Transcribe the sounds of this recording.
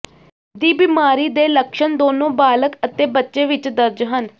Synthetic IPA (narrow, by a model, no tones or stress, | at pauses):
d̪iːbɪmaːɾiːd̪eːləkʃənd̪oːnõːbaːləkət̪eːbətːʃeːʋɪt͡ʃd̪əɾd͡ʒɦən